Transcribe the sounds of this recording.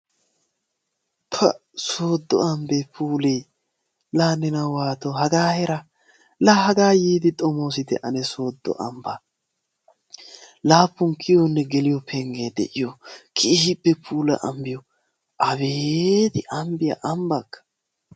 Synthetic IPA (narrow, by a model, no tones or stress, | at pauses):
t̪ʰɐ̰soːd̪ːɔ̰ɐmbepʰuːlɛj | laːnɛnɐwaːt̪ɔɦɐɡaːhɛɾɐ | laːhɐɡaːjiːd̪ɪt̪ʼɔmoːs̬ɪd̪ɛ̰ʔɐnɛso̞ːd̪ːɔ̰ʔɐ̰mbɐ | laːpːʊŋkʰɪjɔnːɛɡɛlɪjɔpʰɛŋɡeːd̪ɛ̰ʔɪjɔkʰɪhɪbːɛpʰuːlɐ̰ʔɐ̰mbɪjɔ | ʔɐbed̪ɪʔɐmbɪjɐ̰ʔɐmbɐkːɐ̥